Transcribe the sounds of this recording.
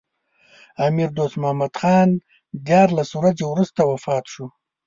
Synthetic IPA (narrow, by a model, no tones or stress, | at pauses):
amiɾd̪ost̪mʊhamad̪xɑːn | d̪jɑɾlaswɾazewɾust̪awafɑːt̪ʃu